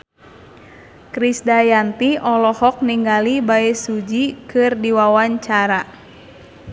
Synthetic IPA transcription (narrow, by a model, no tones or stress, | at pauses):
kɾisdajant̪iʔɔlɔhɔk̚niŋɡalibaɛsud͡ʒikɨrdiwawaɲt͡ʃaɾa